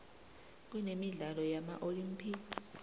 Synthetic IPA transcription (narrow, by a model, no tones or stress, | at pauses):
k̬ʼwɛnemiɮalɔjama̰ʔolimpʰiɡs